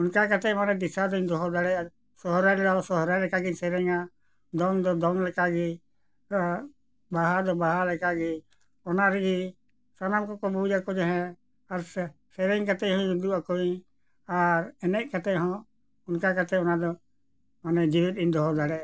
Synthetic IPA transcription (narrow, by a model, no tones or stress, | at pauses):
unkakat̪ɛmanɛd̪isad̪ɔind̪ɔɦɔd̪aɽɛaɾ | sɔɦɔɾaɾlaɔsɔɦɾalɛkaɡisɛɾɛŋa | d̪ɔnd̪ɔd̪ɔnlɛkaɡi | baɦad̪ɔbaɦalɛkaɡi | ɔnaɾɛɡi | sanamkɔkɔbud͡ʒakɔd͡ʒɔɦɛ̃ | aɾ | sɛɾɛŋkat̪ɛɦɔ̃id̪uakɔi | aɾɛnɛʔ̚kat̪ɛɦɔ̃ | unkakat̪ɛɔnad̪ɔ | manɛd͡ʒiwit̪̚ind̪ɔɦɔd̪aɽɛ